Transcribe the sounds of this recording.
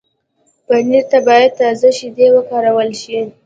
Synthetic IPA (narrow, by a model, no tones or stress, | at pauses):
b̥aniɾt̪abɑjad̪̚t̪ɑzaʃid̪ewəkɑɾawəlʃi